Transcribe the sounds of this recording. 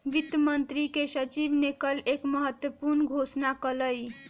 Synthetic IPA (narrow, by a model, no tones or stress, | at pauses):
ʋit̪jəmənt̪ɾikesət͡ʃibnekəlekməɦət̪wəpuɾnɡʱosnakələj